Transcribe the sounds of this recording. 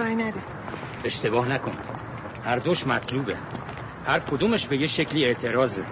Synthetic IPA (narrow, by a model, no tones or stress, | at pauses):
ɑjnæd̪e | e̞ʃt̪e̞bɒːhnækʰon | hæɾd̪oʃmæt̪ʰluːbḛ | hæɾkʰod̪uːmeʃbe̞jeʃe̞cʰliːe̞ʔt̪ʰe̞ɾɒːze